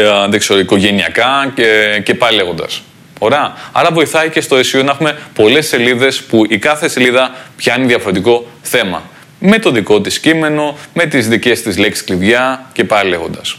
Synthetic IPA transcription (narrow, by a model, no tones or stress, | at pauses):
ðekseɾoiko̞ʝe̞niɐkɐ | ce̞pɐile̞ɣo̞nd̪ɐ̰s | oɾeɐɐ̰ɾɐvo̞iθɐice̞st̪oesionɐexume̞po̞le̞se̞liðe̞spuʔikɐθe̞se̞liðɐpçɐineðiɐfo̞ɾe̞t̪iko̞ | θe̞mɐ̰ | me̞t̪o̞ðiko̞t̪iscime̞no̞me̞t̪izðice̞st̪izle̞ksi̥skliðʝɐce̞pɐile̞ɣo̞nd̪ɐs